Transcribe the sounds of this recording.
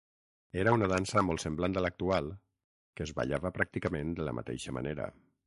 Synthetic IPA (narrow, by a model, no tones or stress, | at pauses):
eɾəunəðansəmɔlˠsəmbland̪ələk̚t̪ualˠ | kəzβa̰ʎaβəpɾak̚t̪ikəmend̪ələ̰mə̰t̪ɛ̰ʃəma̰neɾə̰